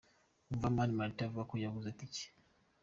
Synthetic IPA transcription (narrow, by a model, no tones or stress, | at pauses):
uvamanmaltavakujaɡuzatit͡ʃi̥